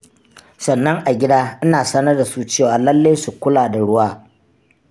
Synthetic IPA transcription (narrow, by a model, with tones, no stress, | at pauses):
sɐ˨nːɐ˦ŋʔa˨ɡʲɪ˦daː˦ʔɪ˦naː˨sɐ˦nɐ˦rda˨su˦t͡ʃeː˦˨waː˨lɐ˦lːe˦su˨kʷʊ˦laː˨da˨ɽʊ˦waː˦